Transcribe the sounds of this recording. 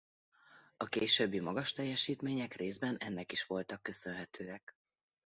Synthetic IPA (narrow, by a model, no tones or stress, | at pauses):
ɒkeːʃøbːimɒɡɒʃt̪ɛjːɛʃiːt̪meːɲɛkreːzbɛnɛnːɛkiʃʋo̞lt̪ɒkːø̞sø̞nɦɛt̪ʰøːɛk